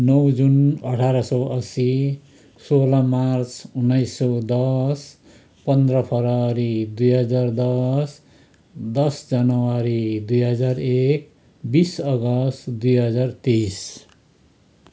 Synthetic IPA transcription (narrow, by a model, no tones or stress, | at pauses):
nʌwd͡zunʌʈʰaɾʌsʌʌsi | solamart͡sunːajsːʌwd̪ʌs | pʌnd̪rʌpʰʌɾaɾid̪ujɦʌd͡zard̪ʌs | d̪ʌsd͡zanʌwaɾid̪ujɦʌd͡zarek̚ | bisʌɡʌst̪d̪ujɦʌd͡zart̪ijs